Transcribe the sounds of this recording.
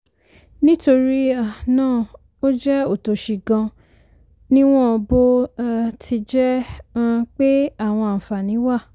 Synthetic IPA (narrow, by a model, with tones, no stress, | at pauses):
nĩ˦to˧ɾi˦a˦˨nãː˦˨ | o˦d͡ʒɛ˦o˦˨to˨ʃi˨ɡã˧ | nĩ˦w̃ɔ̃˦ɔ˧bo˦a˦tʰi˧d͡ʒɛ̃˦ | k͡pe˦a˦˨w̃ɔ̃˧˨fa˨nĩ˨˦wa˦˨